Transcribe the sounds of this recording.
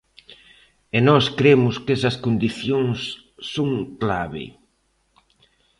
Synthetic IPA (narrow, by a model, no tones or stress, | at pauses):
enɔskɾemʊskesɐskond̪iθjoŋsː | oŋklaβɪ̰